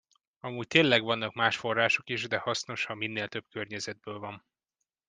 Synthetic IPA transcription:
ɒmuːc̚t̪eːnlɛɡʋɒnːɒkmaːʃfo̞rːaːʃo̞kiʒd̪ɛhɒsno̞ʃhɒmmːinːeːlt̪ø̞b̥̚kørɲɛzɛd̪̚bøːlvɒn

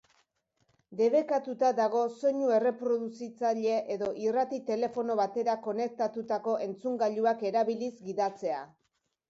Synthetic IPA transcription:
d̪e̞β̞e̞kat̪ut̪ad̪aɣo̞so̞ɲue̞re̞pɾo̞ðusit͡saʎe̞ʔeðo̞ʔirat̪it̪e̞le̞fo̞no̞βat̪e̞ɾako̞ne̞k̚t̪at̪ut̪ako̞ʔe̞nt͡suŋɡaʎuake̞ɾaβilizɡiðat͡se̞a

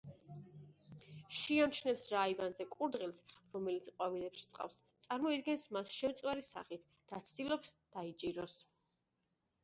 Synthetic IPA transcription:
ʃiamt͡ʃʰnɛpsɾaivanzɛkʼuɾd̪ʁilˠsɾɔmɛlit̪sqʼwavilɛpʃi̥t̪sʼqʼa̰fst̪sʼaɾmɔid̪ɡɛnsmasʃɛmt̪sʼwɛɾisa̰χit̪ʰ | d̪̥at̪sʰd̪ʼilɔpsd̪̥ait͡ʃʼiɾɔs

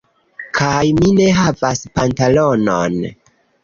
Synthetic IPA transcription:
kʰajmine̞ɦavaspantalo̞no̰n

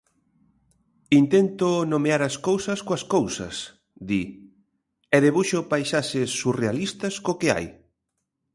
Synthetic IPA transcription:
int̪ent̪ʊnomeaɾaskowsɐskoɐskowsɐ̰s | d̪i | ɛðeβuʃʊpajʃaʃɪsːurealist̪ɐskokɪa̰j

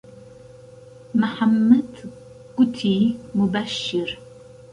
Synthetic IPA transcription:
mɐħamːɐd̪ | kʷʊtʰiːmubɐʃːɪr

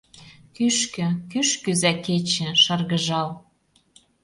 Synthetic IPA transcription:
kyʃkø̆kyʃkyzæket͡ɕɘ̆ʃɑrɣə̆ʒɑl

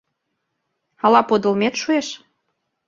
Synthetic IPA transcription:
ɑlɑpod̪ɤ̆lmet̪ʃueʃ

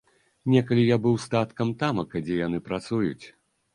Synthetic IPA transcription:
nʲɛkɐlʲijabɨwst̪at̪kɐmt̪amɐkɐd͡zʲɛjanɨpɾat̪sujṵt͡sʲ

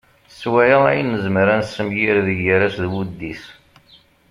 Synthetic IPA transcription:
swæjəæjənːəzmɾænsəmjiɾðəɡəɾæsðwud̪ːis

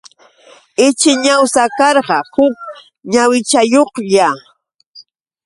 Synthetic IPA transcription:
ɪt͡ʃɪɲawsakɑɾɢɑhʊk̚ | ɲawɪt͡ʃajoχʎa

